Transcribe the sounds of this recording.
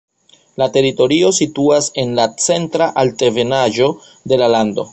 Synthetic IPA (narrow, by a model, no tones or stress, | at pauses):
late̞ɾito̞ɾio̞situase̞nlat͡se̞ntɾaʔalte̞ve̞naʒo̞ | de̞lalando̞̰